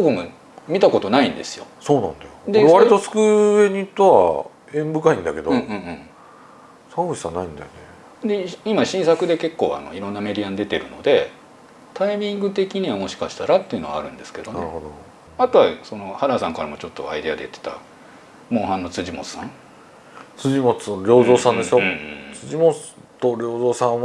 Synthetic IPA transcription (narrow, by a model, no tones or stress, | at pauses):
boɡɯmo | mʲit̪ako̞t̪o̞naĩnd̪e̞sɨjo̞̰soːnãnd̪ajod̪eɾeaɾit̪osɨ̥kɯeɲ̟it̪ːoa̰ | ẽ̞mbɯ̟kaĩnd̪ake̞d̪õːɯ̃ːɯ̃ːɴ | sãbɯɕi̥sanaĩnd̪ajone | d̪eimaɕĩɰ̃sakɯ̟d̪e̞ke̞kːo̞̰ːa̰no̞̰iɾõ̞nːame̞d̪ʲijand̪e̞t̪e̞ɾɯ̟no̞̰d̪e̞ | t̪aimʲĩŋɡɯ̟t̪e̞kʲiɲ̟iβamo̞ɕi̥kaɕi̥t̪aɾat̪ːe̞iɯno̞a̰ɾɯ̟̃nd̪e̞sɨ̥ke̞d̪o̞naeɾɯhod̪o | at̪o̞βaso̞no̞haɾasãŋkaɾamo̞t͡ɕo̞t̪ːoa̰id̪e̞ad̪e̞jɯt̪ːe̥t̪a̰ | mõ̞ːɦãnːo̞t͡sɨʑimo̞̰t͡sɨ̥sã̰ | t͡sɨʑimot͡sɨoɾʲoːzoːsãnd̪e̞sɨjõt͡sɨʑimot͡s | t̪oɾʲoːzoːsã